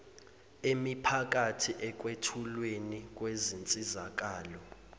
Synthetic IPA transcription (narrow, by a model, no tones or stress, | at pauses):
emipʰak̬atʰiʔɛk̬wetʰulwenik̬ʼwezint͡sʼizak̬aːlɔ